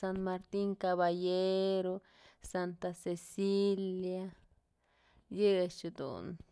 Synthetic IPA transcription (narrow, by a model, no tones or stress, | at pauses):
sanmaɾt̪iŋkaβajeɾo | sant̪asesilja | jet͡ʃid̪ṵn